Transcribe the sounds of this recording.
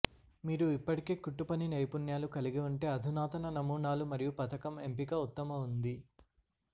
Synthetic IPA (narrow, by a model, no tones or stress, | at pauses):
miːɾuipːɐʈike̞ːkuʈːupɐninɐjpunjaːlukɐliɡiuɳʈe̞ːɐd̪ʱinaːt̪ɐnɐnɐmuːɳaːlumɐɾijupɐt̪ɐkɐmempikɐut̪ːɐmɐund̪i